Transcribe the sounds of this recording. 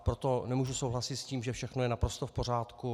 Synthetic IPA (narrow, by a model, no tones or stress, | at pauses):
pɾot̪o̞nɛmuːʒusowɦlasɪt̪sciːmʒɛfʃɛxno̞jɛnapɾo̞st̪ofpo̞r̝aːt̪ku